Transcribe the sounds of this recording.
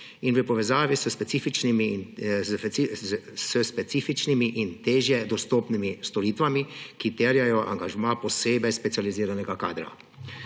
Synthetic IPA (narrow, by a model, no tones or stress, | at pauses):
inʋəpɔʋɛzaːʋisəspɛsiːfit͡ʃniminzisəspɛt̪siːfit͡ʃnimiʔint̪eːʒjɛd̪ɔst̪oːpnimist̪ɔɾiːt̪ʋamikit̪ɛɾjajɔʔa̰ŋɡaʒmaːpɔseːbɛjspɛt̪ializiːɾanɛɡaka̰ːd̪ɾa̰